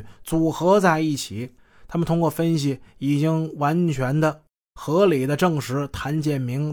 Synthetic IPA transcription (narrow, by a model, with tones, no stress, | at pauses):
t͡su˨˩xɤ˧˥t͡sa˥˧ɪi˥˩t͡ɕʰi˨˩˦ | t̪ʰa˥mə˨nt̪ʰʊ˥ŋkwɔ˥˩fə˥nɕi˨˩i˨˩t͡ɕi˥ŋwa˧˥nt͡ɕʰɥɛ˧˥nd̪ə˧ | xɤ˧˥li˨˩d̪ə˦ʈ͡ʂɤ˥˩ŋʂɻ̩˧˥t̪ʰa˧˥nt͡ɕjɛ˨˩nmi˧˥ŋ